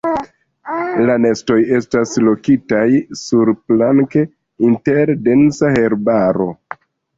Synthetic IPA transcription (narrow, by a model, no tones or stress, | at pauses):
lane̞sto̞je̞staslo̞kitajsuɾplaŋke̞ | inte̞ɾde̞nsahe̞ɾbaɾo̞̰